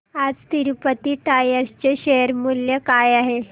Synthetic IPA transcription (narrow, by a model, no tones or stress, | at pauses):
ad͡zt̪iɾupət̪iʈajəɾst͡ɕeɕeəɾmuljəkajaɦe